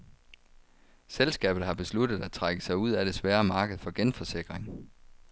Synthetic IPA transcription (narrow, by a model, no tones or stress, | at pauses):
selsɡ̥ɛ̰ːb̥ð̩ˠhɑ̈b̥e̝slud̥ð̞̩ˠæ̥t͡sʰʁaɡ̥əsɑ̈ɪuð̞̰ˠæd̥e̝sʋæːɐmɑ̈ːɡ̥əð̞̩ˠfɒ̽ɡ̥enfɒ̽se̝ɡ̥ʁeŋ